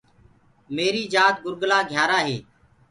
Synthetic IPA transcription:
meːɾiːd͡ʒaːt̪̚ɡʊɾɡlaːɡʱjaːɾaːɦeː

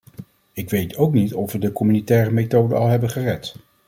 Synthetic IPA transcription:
ɪkʋejtʰowknitɔfʋədəkɔmynitɛːrəmejtowdə̰ɑlˠɦɛbənχərɛt

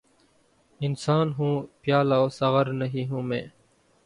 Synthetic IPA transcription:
ɪnsaːnɦũːpjaːlaoːsəɣəɾnəɦiːɦũːmḛ̃ː

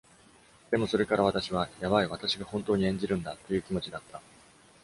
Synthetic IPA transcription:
d̪e̞mo̞so̞ɾe̞kaɾaβ̞at̪aɕiβajaβaiβ̞at̪aɕiɡahõ̞nt̪o̞ːɲiẽ̞ɲ̟d͡ʑiɾɯ̟̃nd̪at̪ːo̞jɯ̟ːkʲimo̞t͡ɕid̪at̪ʰːa

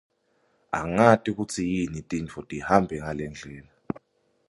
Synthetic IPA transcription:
a̰ŋatʼik̬ut͡sʰijinitʼint͡fʰɔtʼihambʱɛŋalɛnd͡ɮʱɛːla

